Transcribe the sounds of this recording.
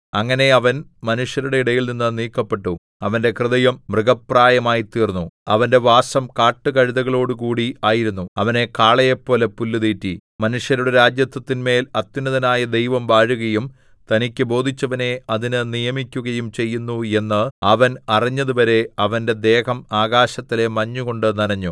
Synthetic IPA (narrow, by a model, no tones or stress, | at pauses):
ɐŋːɐne̞ɐʋɐnmɐnuʂjɐɾuɽe̞iɽɐjilninːɨniːkːɐpːe̞ʈːu | ɐʋɐnde̞krɨðɐjɐmːrɨɡɐpraːjɐmaːjit̪ːiːrnːuɐʋɐnde̞ʋaːsɐmkaːʈːɨkɐɻiðɐɣɐɭo̞ːɽukuːɽiaːjiɾunːuɐʋɐne̞kaːɭɐjɐpːo̞ːlepulːuðiːtːimɐnuʂjɐɾuɽeɾaːd͡ʑjɐt̪ːwɐt̪ːinme̞ːlɐt̪ːjunɐðɐnaːjɐd̪e̞jʋɐmʋaːɻuɣɐjum | t̪ɐnikʲːɨbo̞ːd̪ʱit͡ɕːɐʋɐne̞ɐðinɨnijɐmikʲːuɣɐjumt͡ɕe̞jːunːue̞nːɨɐʋɐnɐriɲːɐðuʋɐɾe̞ɐʋɐnde̞d̪e̞ːhɐmaːɣaːɕɐt̪ːile̞mɐɲːuɣo̞ɳɖɨniɾɐɲːu